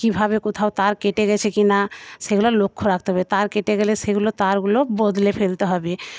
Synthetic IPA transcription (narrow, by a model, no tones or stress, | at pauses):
kibʱabekot̪ʰaot̪aɾkeʈeɡɛt͡ɕʰekinaʃeɡulalokʰːoɾakʰt̪eɦɔbet̪aɾkeʈeɡɛleʃeɡulot̪aɾɡulobod̪lepʰelt̪eɦɔbe